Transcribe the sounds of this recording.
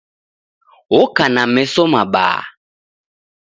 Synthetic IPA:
wokanamɛsomaɓa̰ː

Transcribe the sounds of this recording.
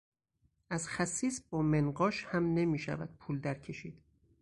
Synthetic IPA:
ʔæzxæsːiːsbɒːmenɢɒːʃhæmne̞miːʃæ̰væ̰d̪̥̚pʰuːld̪æɾcʰe̞ʃiːd̪̥

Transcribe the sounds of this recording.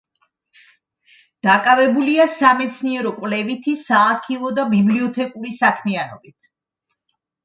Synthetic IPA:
d̪̥akʼavɛbuliasamɛt̪sʰniɛɾɔkʼwvlɛvit̪ʰisaːkʰivɔd̪abibliɔt̪ʰɛkʼuɾisakʰmianɔ̰bit̪ʰ

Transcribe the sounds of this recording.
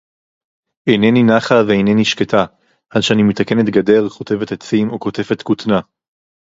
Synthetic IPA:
ejneninaχaveejne̞niʃketʰa | ʔadʃeanimet̪ake̞ne̞tɡade̞ʁko̞te̞vetet͡simoko̞te̞fetkutna

